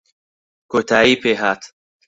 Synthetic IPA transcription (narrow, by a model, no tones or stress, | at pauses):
kot̪ʰaːiːpeɦat̪